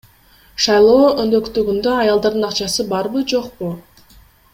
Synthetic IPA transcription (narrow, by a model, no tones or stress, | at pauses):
ʃɑjlˠo̞ːønd̪ø̞kt̪yɡynd̪øɑjɑlˠd̪ɑɾd̪ɯnɑqt͡ʃɑsɯbɑɾbɯd͡ʒo̞qpu